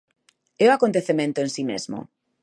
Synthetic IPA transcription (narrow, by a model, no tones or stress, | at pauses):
eoakont̪eθemẽnt̪oensimezmo̰